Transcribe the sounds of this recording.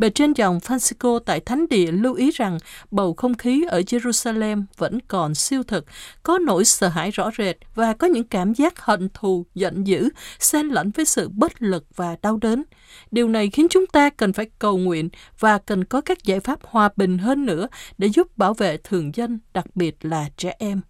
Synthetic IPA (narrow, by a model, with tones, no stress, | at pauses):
ve˨˩t͡ɕe˧nzɔ˨˩wŋ͡mfaː˧nsi˧ko˧t̪a̰ː˧˨jt̪ʰa˨˦jŋ̟ɗḭ˧˨əlu˧wʔi˨˦za˨˩ŋɓə˨˩wxə˧wŋ͡mxi˨˦ʔəː˧˩ze˧zu˧saː˧lɛ˧mvə̰˧˥nkɔ˨˩nsi˧əwt̪ʰɨ˨˩k̚kɔ˨˦no̰˧˥˨jsəː˧ɦa̰ː˧˥˨jzɔ̰˧˥ze˨˩t̚vaː˨˩kɔ˨˦ɲɨ̰˧˥ŋkaː˧˩mzaː˦˥k̚hḭ˧˨nt̪ʰu˨˩zə̰˧˨nzɨ̰˧˥sɛ˧nlə̰˧˥nvəː˨˦jsɨ̰˧˨ɓə˦˥t̚lɨ˨˩k̚v̥aː˨˩ɗa˧wɗe˨˦n | ɗi˨˩əwna˨˩jxi˨˦ənt͡ɕʊ˨˦ŋ͡mt̪aː˧kə˨˩nfaː˧˩jkə˨˩wŋwḭ˧˨ənvaː˨˩kə˨˩nkɔ˨˦kaː˦˥k̚za̰ː˧˩jfaː˦˥p̚hwaː˨˩ɓï˨˩ŋ̟ɦəː˧nːɨ̰˧˥əɗḛ˧˥zʊ˦˥p̚ɓaː˧˩wvḛ˧˨t̪ʰɨ˨˩əŋzə˧nɗa˨˩k̚ɓi˨˩ət̚laː˨˩t͡ɕɛ˧˩ʔɛ˧m